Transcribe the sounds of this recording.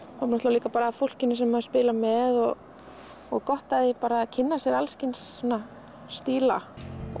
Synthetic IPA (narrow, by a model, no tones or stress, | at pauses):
hanɔht̪aliːkapaːɾaːfol̥cɪnːɪs̬ɛmːaðʏspɪːlamɛðɔɣː | ɣkɔht̪aðɪpaːɾaːcʰɪnːasjɛɾalscɪnsːɔna | st̪iːla̰